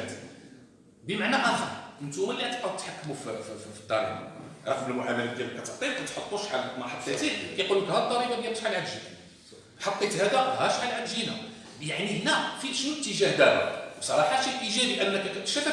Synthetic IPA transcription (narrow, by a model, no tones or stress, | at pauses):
t̪ | bəmaʕnæʔɑxɑnʔənt̪umæliʕat̪qɑd̪ət̪ħakːmuffi̥t̪ˤːɑɾḭbɑ̰ɾˤɑqməlmʊʕamælækæmækæt̪əʕt̪ˤilkæt̪ħot̪ˤːuʃħalːmɑħɑt̪ˤːet̪ikæjqulːəkhæt̪ˤːɑɾibɑb̪jææʃħalʕaɾʒi | ħɑt̪ːet̪hæd̪æhæʃħalʕaɾʒinæ | jaʕnihənæfiʃnuət̪ːəʒæhd̪æla̰bsˤɑɾˤɑħɑʃilʔiʒæbiʔælːækækæə̥ʃæt̪æ